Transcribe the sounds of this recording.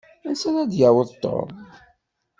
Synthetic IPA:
ænsænæd̪jæwəðˤt̪ːo̰m

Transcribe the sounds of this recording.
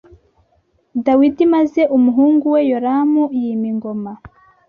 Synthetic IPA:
dawidimaze̞ʔumuɦuːŋɡuwe̞joɾamujiːmiŋɡo̞ma

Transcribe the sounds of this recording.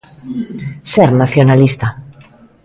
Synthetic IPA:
seɾnaθjonalist̪a

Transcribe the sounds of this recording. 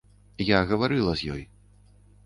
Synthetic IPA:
jaɣɐvaɾɨlˠɐzʲjɔ̰j

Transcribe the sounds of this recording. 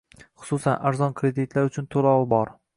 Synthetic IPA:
χʊ̥susanaɾzɒnkʰɾe̞d̪ɪt̪laɾʊt͡ʃʰʊnt̪ʰolɒwɪbɒɾ

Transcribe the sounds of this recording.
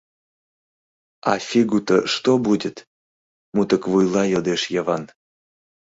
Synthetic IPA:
ɑfʲiɡut̪əʃt̪obudʲət̪ | mut̪əkvujlˠɑjɤd̪eʃjəvɑn

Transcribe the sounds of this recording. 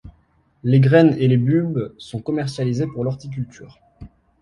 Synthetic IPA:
leɡʁɛnelebybsɔ̃kɔmɛʁsjalizepuʁlɔʁt̪ik̬ʲylt̪ʰy̰ːʁ

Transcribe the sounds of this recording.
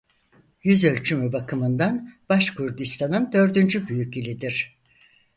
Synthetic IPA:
jyzø̞lʲt͡ʃʰymybakʰɯmɯnd̪anb̥aʃkʰuɾd̪ist̪ʰanɯnd̪ø̞ɾd̪ynd͡ʒybyjycilʲid̪iɾ̥

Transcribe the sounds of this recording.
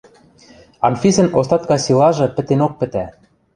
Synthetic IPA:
ɑnfʲisɘ̆nost̪ɑt̪kɑsilɑʒɤ̆pɘ̆t̪enok̚pɘ̆t̪æ

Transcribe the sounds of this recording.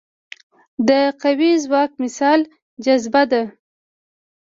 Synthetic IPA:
d̪əqawizwɑk̚mɪsɑl | d͡ʒazbad̪a

